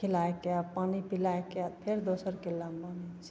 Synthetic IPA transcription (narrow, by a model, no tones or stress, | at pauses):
elaekeapaːnipilaekeat̪pʰeɾd̪osəɾkelambanis